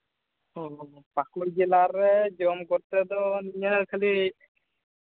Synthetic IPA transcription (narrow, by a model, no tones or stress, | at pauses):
ɔ | pakuɾd͡ʒɛlaɾɛd͡ʒɔmkɔɾt̪ɛd̪ɔniɲəɾkʰəli